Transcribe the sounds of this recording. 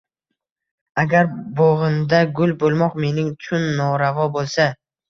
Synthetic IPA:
aɡʲaɾboʁɨnd̪aɡʊlˠbolˠmɒqme̞nɪŋt͡ʃʰʊnːɒɾavɒbolˠsa

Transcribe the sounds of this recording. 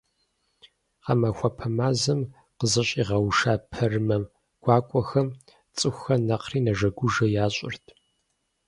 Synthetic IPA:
qɐmɐxʷɔpʰɐmaːzɐm | qəzɨɕʼiːʁɐwʂaːpʰɐrmɐm | ɡ̥ʷaːkʷʼɔxɐm | t͡sʼɨxʷxɐnɐqʰriːnɐʒɐɡʷʊʒɐjaːɕʷʼɪ̰rtʰ

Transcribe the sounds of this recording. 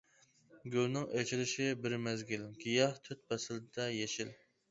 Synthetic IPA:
ɡʲølnɪŋet͡ʃʰilɪʃɪbɪɾmɛzɡʲilɡ̥ʲijɑht̪ʰøt̪̚bɛsɪld̪ɛjeʃɪl

